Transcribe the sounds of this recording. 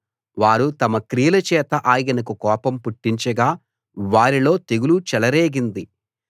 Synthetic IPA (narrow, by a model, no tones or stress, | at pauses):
ʋaːɾut̪ɐmɐkɾijɐlɐt͡ʃɛːt̪ɐʔaːjɡɐnɐkukɔːpɐmpuʈːiɲt͡ʃɐɡaː | ʋaːɾilo̞ːt̪eɡulut͡ʃɛlɐɾeːɡind̪i